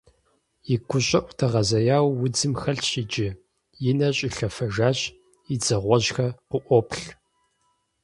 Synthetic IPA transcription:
jɪkʷʊɕʼɐʔʷʼtʰɐʁɐzɐjaːwːʊd͡zɨmxɐɬɕid͡ʒɪ | jɪnɐɕʼɪɬɐfɐʒaːɕ | id͡zɐʁʷɔʑxɐqʷʊʔʷɔpɬ

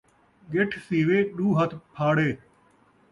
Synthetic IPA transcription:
ɡeʈʰsiːʋeːɗuːɦət̪ʰpʰaːɽeː

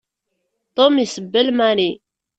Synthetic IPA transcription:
t̪omisəbːəlmæni

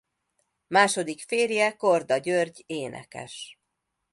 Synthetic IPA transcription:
maːʃo̞d̪ikfeːrjɛkord̪ɒɟørɟeːnɛ̰kɛ̰ʃ

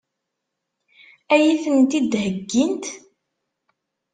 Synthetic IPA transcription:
æjiθənt̪id̪həɡːint̪

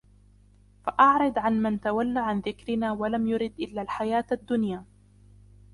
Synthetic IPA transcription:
faʔɑʕɾˤɑd̪ʕanmɪnt̪awalːaːʕanðɪkɾɪnaːwalamjʊɾɪd̪ʔɪlːaːlħajaːt̪ad̪ːʊnjaː

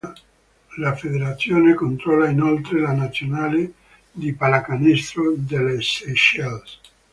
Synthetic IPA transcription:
lafed̪eɾat̪sːjoːnekont̪ɾɔlainolt̪ɾelanat̪sːjonaːle | d̪ipalakanist̪ɾod̪eleseʃels

